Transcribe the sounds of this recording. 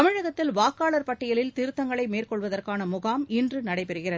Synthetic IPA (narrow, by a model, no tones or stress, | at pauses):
t̪ɐmɪɻɐɣɐt̪ːɪlʋaːkːaːɭɐɾpɐʈːɪjɐlɪlt̪ɪɾɯt̪ːɐŋɡɐɭɐɪmeːrkɔɭʋɐðɐrkaːnɐmʊɣaːmɪndrɯnɐɽɐɪpɛɾɯɣɪrɐð